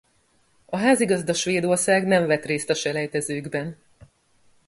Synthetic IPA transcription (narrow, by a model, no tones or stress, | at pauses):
ɒɦaːziɡɒzd̪ɒʃʋeːd̪o̞rsaːɡnɛɱvɛt̪reːst̪ɒʃɛlɛjt̪ɛzøːɡbɛn